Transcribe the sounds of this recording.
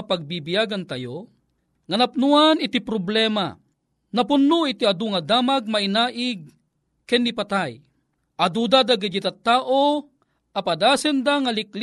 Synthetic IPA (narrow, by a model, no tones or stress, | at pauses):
paɡ̚bibijaɡant̪ajo | ŋɐnapnuanɪt̪ipɾoblɛːma̰ | napʊnːuit̪iad̪uŋad̪aːmaɡ̚mainaːʔɪɡ̚ | kɛnːipat̪aj | ʔad̪ud̪ad̪aɡid̪it̪at̪ːaːʔo | ʔapad̪aːsɛnd̪aŋalɪkl